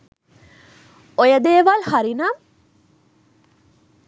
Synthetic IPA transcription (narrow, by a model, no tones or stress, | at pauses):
ojɐd̪eːʋɐlhaɾinɐm